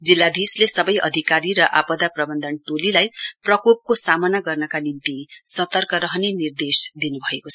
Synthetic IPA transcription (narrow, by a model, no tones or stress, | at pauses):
d͡zilːad̪islesʌbʌjʔʌ̰d̪ʱikaɾiɾʌʔapʌd̪aprʌbʌnd̪ʱʌnt̪olilajprʌkop̚kosamʌnaɡʌrnʌkanint̪isʌt̪ʌrkʌɾʌɦʌnenird̪esd̪inubʱʌekot͡sʰʌ